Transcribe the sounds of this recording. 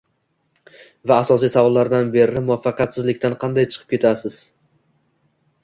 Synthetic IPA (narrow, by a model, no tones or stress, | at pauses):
vaːsɒs̬ijsavɒlˠːaɾd̪anbe̞ɾɪmʊafːɑqjat̪sɪzlɪkʲt̪ʰanqʰɑnd̪ajt͡ʃʰɨ̥qʰɨ̥p̚kʰʲe̞t̪ʰasɪz̥